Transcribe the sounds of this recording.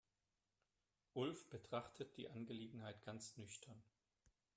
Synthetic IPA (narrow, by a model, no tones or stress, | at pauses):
ʔʊlfb̥ətʁ̥aχtʰət̚d̥ḭːʔanɡəleːɡŋ̩haɪtɡ̥ant͡snʏçtʰɐn